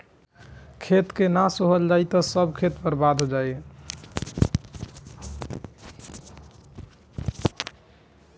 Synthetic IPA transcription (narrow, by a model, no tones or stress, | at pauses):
kʰet̪kenasoɦəld͡ʒajt̪ɔsəbkʰet̪bəɾbad̪ʱɦod͡ʒaj